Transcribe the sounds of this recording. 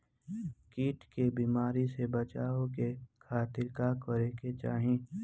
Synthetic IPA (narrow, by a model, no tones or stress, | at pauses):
kiːʈkebiːmaːɾisebət͡ʃaːokekʰaːt̪ɪɾkakɔɾeːket͡ʃaːɦẽː